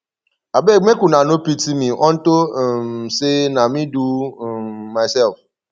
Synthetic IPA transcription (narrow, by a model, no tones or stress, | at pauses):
abeŋ͡mekunanopitimĩʔɔ̃n̩tomsenamĩduː | aɪsɛlf